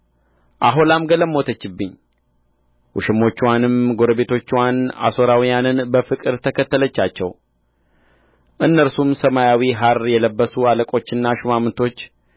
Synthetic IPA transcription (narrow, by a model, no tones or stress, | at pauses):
ʔaɦolamɡələmot̪ʰət͡ʃːɨbːɨɲː | wʊ̰ʃɪmo̞t͡ʃːwanɨmɡo̞ɾəbe̞t̪ʰo̞t͡ʃːwana̰so̞ɾawijanɨnbəfɨkʼɨɾt̪ʰəkʰət̪ːələt͡ʃːat͡ʃːɛw | ʔɨnːəɾsumsəmajawiɦaɾjɛləbːəsualəkʼo̞t͡ʃːɨnːaʃumamnt̪ʰo̞t͡ʃː